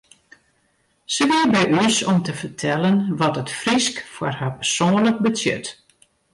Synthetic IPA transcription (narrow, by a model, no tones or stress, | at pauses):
səʋibɛjysɔmtəfərtʰɛlənʋɔtətfriskfarhaːpərsoːənlək̚bəsjɛ̰t